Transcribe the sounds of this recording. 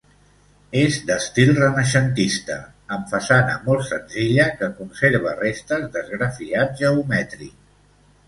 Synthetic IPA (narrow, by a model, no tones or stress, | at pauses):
ezd̪əst̪ilˠrənəʃənt̪ist̪ə | əmfasanə̰mɔlˠt̪sənziʎəkəkunseɾβ̞ərest̪əzd̪əzɣɾəfiaʒəumɛt̪ɾi